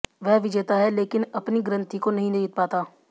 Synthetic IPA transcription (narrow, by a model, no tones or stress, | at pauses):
ʋɛɦʋɪd͡ʒeːt̪aɦɛleːkɪnɐpniɡɾə̃nt̪ikonɐɦĩnet̪̚paːt̪aː